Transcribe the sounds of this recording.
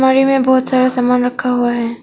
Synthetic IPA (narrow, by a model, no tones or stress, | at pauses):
maːɾimẽbɔːʊt̪z̥aːɽasaːmaːnɾɐkʰːaɦuaɦɛː